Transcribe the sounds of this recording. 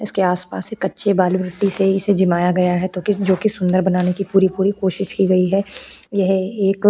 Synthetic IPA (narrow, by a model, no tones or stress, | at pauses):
ɪskeaːspa̰ːsekːɐtːʃebaːluɾɪʈiseɪsed͡ʒɪmaːjaɡɐjaɦɛt̪oːkid͡ʒoːkisʊ̃nd̪əɾbɐnaːnekipuːɾipuːɾikoːʃɪʃkiɡɐiɦɛjɐɦeːk